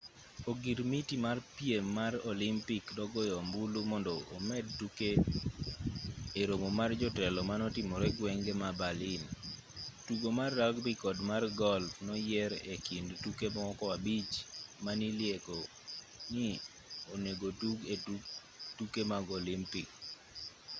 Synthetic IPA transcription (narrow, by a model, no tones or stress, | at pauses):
oɡiɾmitimarpiemːarɔlimpikdɔɡɔjɔmbulumɔndɔːmɛd̚tuke | eɾomomard͡ʒɔtɛlɔmanɔtimɔɾɛɡwɛŋɡemabalɪn | tuɡomarːaɡbɪkɔdmarɡɔlfnɔjɛɾekindtukemɔkɔabit͡ʃmaniljekɔ | nɪ | oneɡoduɡe | tukemaɡɔlimpik